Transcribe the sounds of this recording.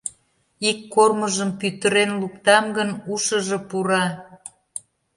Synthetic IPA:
ikːorməʒəmpyt̪ə̆ɾenlukt̪ɑmɡənuʃəʒĕpuɾɑ

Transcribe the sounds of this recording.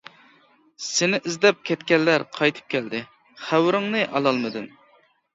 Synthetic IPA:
sɪnɪʔizd̪ɛp̚kʲʰɛt̪kʲɛlːæɾqʰɑjt̪ʰɨ̥p̚kʲɛld̪ɪ | χæwɾɪŋnɨʔɑlˠɑlˠmɨd̪ɨn

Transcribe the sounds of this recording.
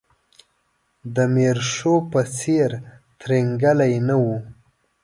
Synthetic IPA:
d̪əmeɾʂopəseɾt̪ɾeŋɡəlajnawu

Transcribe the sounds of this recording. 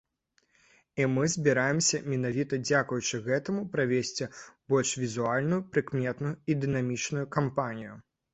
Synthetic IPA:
imɨzʲbʲiɾajɛmsʲɐmʲɛnavʲit̪ɐd͡zʲakujut͡ʂɨɣɛt̪ɐmupɾavʲesʲt͡sʲib̥ɔlʲʂvʲizualʲnujupɾɨkmʲɛt̪nujuid̪ɨnamʲit͡ʂnujukampanʲiju

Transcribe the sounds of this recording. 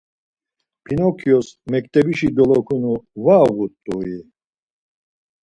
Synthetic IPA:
pʰinɔkʰjɔsmɛkt̪ʼɛbiʃid̪ɔlɔkʰunuvaːɣut̪ʼːui

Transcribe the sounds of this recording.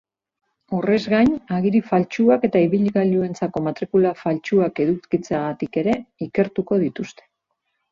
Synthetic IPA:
o̞re̞zɣajɲaɣiɾifalt͡ʃuake̞t̪aiβiʎɣalue̞nt͡sako̞mat̪ɾikulafalt͡ʃuake̞ðukit͡seaɣat̪ike̞ɾe̞ike̞ɾt̪uko̞ðit̪ust̪e̞̥

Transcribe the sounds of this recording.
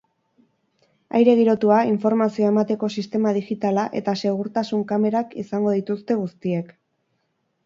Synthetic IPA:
a̰jɾe̞ɣ̞iɾo̞t̪uaiɱfo̞ɾmasioe̞mat̪e̞ko̞sist̪e̞mað̞ixit̪alaʔe̞̰t̪ase̞ɣ̞uɾt̪asuŋkame̞ɾakisaŋɡo̞ð̞it̪ust̪e̞ɣ̞ust̪ie̞k

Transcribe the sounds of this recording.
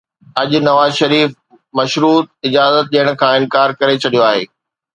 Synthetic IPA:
ɐʄʊnɐʋaːzʃɐɾiːf | mɐʃɾuːt̪̚ɪd͡ʑaːzət̪̚ɗijəɽ̃̆kʰãːɪnkaːɾkɐɾet͡ɕʰɐɗijoaːɦḛː

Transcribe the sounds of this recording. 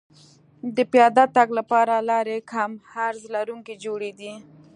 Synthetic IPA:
d̪əpjɑd̪at̪aɡlapɑɾalɑɾekʰamhaɾzlaɾuŋked͡ʒoɽed̪i

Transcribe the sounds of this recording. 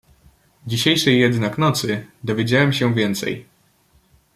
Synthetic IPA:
d͡ʑiɕejʂɛjːɛd̪naknɔt̪sɘd̪ɔvʲjed͡ʑawɛmɕɛvʲjɛnt̪sɛ̰j

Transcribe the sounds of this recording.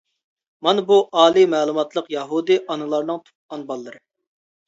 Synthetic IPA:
mɑnɨbuʔɑːlˠimɛːlˠumɑt̪lˠəqjɑɦud̪ɨʔɑnɨlˠɑɾnɨŋt̪ʰu̥p̚ɑnbɑlˠːɨɾɨ

